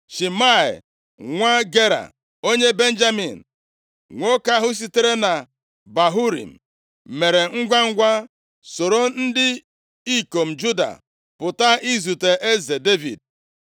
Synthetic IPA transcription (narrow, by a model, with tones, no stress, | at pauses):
ʃi˨ma˦˨ḛ˨ | ŋʷa˦ɡe˦ɾa̰˨ | o˦ɲe˦be˦n̩˦d͡ʒa˦mḭ˨n̩˨ | ŋʷo˦ka˦ɦʊ˦s̬i˦te˦ɾe˦na˨ | ba˨ɦu˦ɾḭ˨m̩˨ | me˨ɾe˨ŋ̩˦ɡʷa˦ŋ̩˦ɡʷa˦ | so˨ɾo˦n̩˦dɪ˦ | i˦ko˨m̩˨d͡ʒu˦da̰˨ | pʊ˨ta˦i˦zu˨te˨ʔe˦ze˨de˦vḭ˨d̚